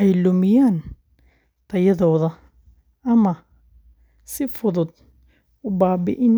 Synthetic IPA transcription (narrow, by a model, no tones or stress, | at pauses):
ʔɛjlʊmɪjaːn | t̪ʰɐjɐðɔːðɐ | ʔɐmɐ | sɪfʊðʊd̪̚ | ʊbaːbɪ̰ʔɪn